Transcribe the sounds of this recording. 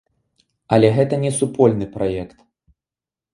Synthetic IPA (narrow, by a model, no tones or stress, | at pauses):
ɐlʲɛɣɛt̪ɐnʲɛsupɔlʲnɨpɾajɛkt̪